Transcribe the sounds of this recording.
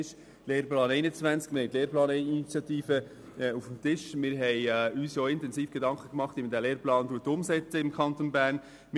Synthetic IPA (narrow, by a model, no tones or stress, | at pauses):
ʃ | leːɾplɑːnɛɪnət͡svænt͡skmɪɾhɛɪt̪leːɾplɑːninit͡sjɑt̪iːfə | ɛufm̩tɪʃmɪɾɦɛjyːsjoːɪntɛnsiːfɡ̥edɑŋkχəkmɑχtiːmədæːleːɾplɑːnduːətːʊmsɛt͡səɪmkʰɑnt̪onbæːɾn | m